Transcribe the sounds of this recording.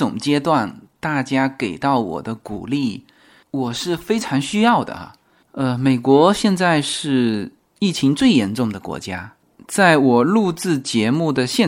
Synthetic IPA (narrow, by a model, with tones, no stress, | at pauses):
ʊ̰˨˩ŋt͡ɕjɛ˥t̪wa˥˧nt̪a˥˩t͡ɕja˥ke˨˩ɪt̪ɑ˥˩ʊwɔ̰˨˩d̪ə˦kṵ˨˩li˥˩ | wɔ˨˩ʂɻ̩˥˩fe˥ɪʈ͡ʂʰɑ˧˥ŋɕy˥jɑ˥˩ʊd̪ə̰˩ɐ̰˩ | ə˥˧me˨˩ɪkwɔ˧˥ɕjɛ˥˧nt͡sa˥˧ɪʂɻ̩˥˧ | i˥˩t͡ɕʰi˧˥ŋt͡swe˥˩ɪjɛ˧˥nʈ͡ʂʊ˥˩ŋd̪ə˩kwɔ̰˧˥t͡ɕja˥ | t͡sa˥˩ɪwɔ˨˩lu˥˧t͡sɹ̩˥˩t͡ɕjɛ˧˥mu˥˩d̪ə˩ɕjɛ˥˧